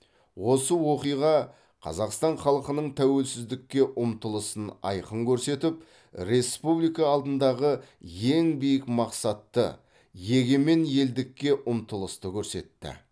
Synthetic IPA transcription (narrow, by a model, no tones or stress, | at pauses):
wo̞səwo̞qijʁɑ | qʰɑ̰zɑqst̪ɑɴχɑlˠəqənəɴt̪ʰæwe̞lsɪzd̪ɪkʲːe̞ʔʊmt̪əlˠəsənɑ̰jqəŋkʲʰɵɾse̞t̪ɪp | ɾe̞spublijkɑːlˠd̪ənd̪ɑʁə | je̞ŋbijɪkmɑqsɑt̪ːə̰ | je̞ɡʲe̞me̞nje̞ld̪ɪkʲːe̞ʔʊmt̪əlˠəst̪əkʲʰɵɾse̞̰t̪ːɪ̰